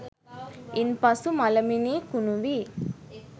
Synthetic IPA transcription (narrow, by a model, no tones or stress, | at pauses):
inpɐsumɐlɐminiːkunuʋi